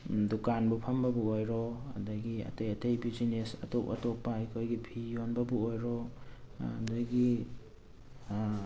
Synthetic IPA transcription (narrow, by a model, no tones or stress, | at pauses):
dukanbupʰɐmbɐbuojɾɔɐ̰dɐɡiɐ̰tejɐtejbid͡ʒinesɐtopɐ̰topːaajkʰojɡipʰijonbɐbuojɾɔ | dɐɡi